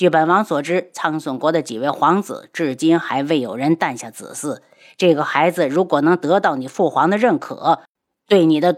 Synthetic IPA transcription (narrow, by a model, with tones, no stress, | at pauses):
t͡ɕy˥˩pə˨˩nwɑ˧˥ŋswɔ˨˩ʈ͡ʂɻ̩˥t͡sʰɑ˥ŋswə˨˩nkwɔ˧˥d̪ə˧t͡ɕi˨˩we˥˩ɪxwɑ˧˥ŋt͡sɹ̩̰˨˩˦ʈ͡ʂɻ̩˥˩t͡ɕi˥nxa˧˥ɪwe˥˩ɪjo˨˩ʊɻə˧˥nt̪a˥˧nɕja˥˩t͡sɹ̩̰˨˩sɹ̩˥˩ | ʈ͡ʂɤ˥˩ɡə˩xa˧˥ɪd͡zɹ̩˧ɻu˧˥kwɔ˨˩nɤ˧˥ŋt̪ɤ˧˥t̪ɑ˥˩ʊni˨˩fu˥˩xwɑ˧˥ŋd̪ə˧ɻə˥˩nkʰɤ̰˨˩˦ | t̪we˥˩ɪni˨˩d̪ə˦